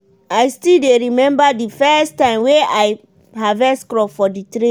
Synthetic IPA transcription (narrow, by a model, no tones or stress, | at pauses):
ajstildeɹimɛ̃mbadifɛstãɪ̃mweaɪ | ɦavɛskɹɔfɔditɾẽ